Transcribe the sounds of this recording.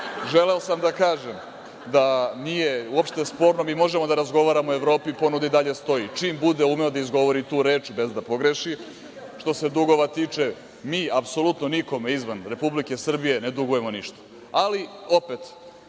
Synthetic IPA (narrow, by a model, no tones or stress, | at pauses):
ʒeleosamd̪akaːʒem | d̪anije̞uopʃt̪espo̞ːɾnomimo̞ʒemo̞d̪aɾazɡo̞ʋaːɾamoe̞ʋɾo̞ːpiipo̞nud̪aid̪aʎe̞st̪o̞it͡ʃiːmbud̪eumeod̪aizɡo̞ʋo̞ɾit̪uːɾe̞ːt͡ʃbe̞zd̪apo̞ɡɾe̞ʃi | ʃt̪o̞se̞d̪uɡo̞ʋat̪iːt͡ʂe | miːapso̞lut̪noniko̞me̞izʋanɾe̞publike̞sr̩bije̞ne̞d̪uɡuje̞mo̞niʃt̪ḁ | alio̞pet̪